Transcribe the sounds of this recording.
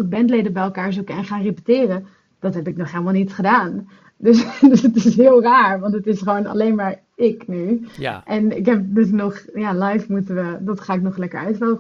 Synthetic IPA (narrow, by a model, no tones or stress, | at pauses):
ɪk̚bɛntlejdəbɛjɛlˠkaːɹzukəɛnχaːnrepə̥tɪːrə | d̥ɑtɦɛpɪknɔχɦeːləmalˠnitsχədaːn | døsdsətɪsɦɪːlˠraːɹʋɑntətɪsχəʋownɑ̰lejnmaːɹ | ɪknyʔɛnɪkɦɛp̚dɵs̬nɔχjaːlajfmutəʋədɑtχaːɪknɔχlɛkəɹœɥtʋɛlˠ